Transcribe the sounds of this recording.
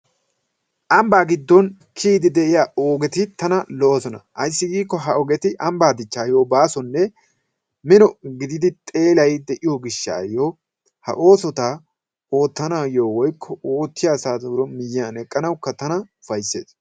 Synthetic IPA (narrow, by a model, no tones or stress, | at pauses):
ʔɐmbaːɡɪd̪ːɔn | kʰiːd̪ɪd̪ɛʔɪjaːoːɡɛt̪ɪt̪ɐnɐlɔʔosɔnɐ̰ʔɐjsːɪɡiːkːɔɦɐʔɔɡɛt̪ɪʔɐmbaːd̪ɪt͡ʃːaːjo̞ːbaːsɔnːɛ | mɪnɔɡɪd̪ɪd̪ɪt̪ʼe̞ːlɐjd̪ɛʔɪjɔɡɪʃːa̰ːjoː | hɐ̰ʔo̞ːsɔt̪aː | o̞ːt̪ːɐnaːjo̞ːwɔjkʰːɔoːt̪ːɪjaːsaːd̪uːɾɔmɪjːaːnɛkʼːɐnɐwkːɐt̪ɐnɐʊfɐjsːe̞̰ːs